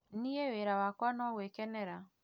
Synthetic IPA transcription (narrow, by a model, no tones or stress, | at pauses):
nijeweɾawakwanɔɣwekɛnɛɾa